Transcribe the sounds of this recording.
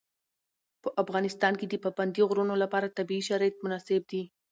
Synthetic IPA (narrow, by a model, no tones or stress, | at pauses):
pəʔafɣɑnɪst̪ɑnked̪əpaband̪iɣɾunolapɑɾat̪abiːʃaɾɑjat̪̚mʊnɑsɪb̚d̪i